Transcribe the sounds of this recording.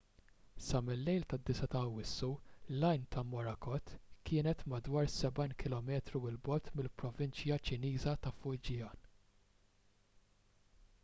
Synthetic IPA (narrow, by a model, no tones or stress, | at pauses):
sɐmɪlːɛjlt̪ɐd̪ːɪsɐt̪ɐɐwɪsːulɐjnt̪ɐmɔɾɐkɔt̪ːkɪːnɛt̪mɐd̪wɐːɾsɛbɐjnkɪlɔmɛːt̪ɾuɪlbɔt̪mɪlpɾɔvɪnt͡ʃjɐt͡ʃɪniːzɐt̪ɐfʊjd͡ʒɪjɐːn